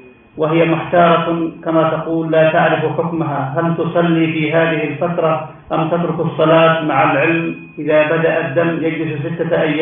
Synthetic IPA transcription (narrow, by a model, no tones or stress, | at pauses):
wɪɦɪjamʊħt̪ɑːɾˤɑkamat̪ɑquːlːaːt̪aʕɾɪfħʊkmaɦaɦalt̪ʊsˤɑlːifiːɦaːðɪhɪlfat̪ɾˤɑ | ʔamt̪at̪ɾʊkɑsˤːɑlɑːt̪maʕalʕɪlm | ʔɪðabad̪aʔad̪ːamːjad͡ʒlɪss̬ɪt̪ːaʔajːaː